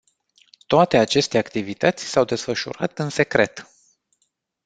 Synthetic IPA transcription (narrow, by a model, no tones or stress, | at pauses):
t̪oat̪e̞at͡ʃe̞st̪e̞akt̪ivit̪ət̪sʲsawd̪e̞sfəʃṵɾa̰t̪ɨnse̞kɾe̞̰t̪